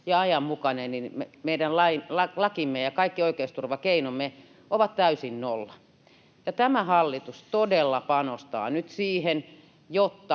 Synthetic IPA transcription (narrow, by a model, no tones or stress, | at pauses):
jɑɑjɑmmukɑnenninmemeidænlɑilɑlɑkimːejɑkɑikːioikeist̪urʋɑkeinomːe | ʔoʋɑt̪t̪æysinnolːɑ | jɑt̪æmæhɑlːit̪ust̪odelːɑpɑnost̪ɑ̰ːnyt̪siːhen | jot̪ːɑ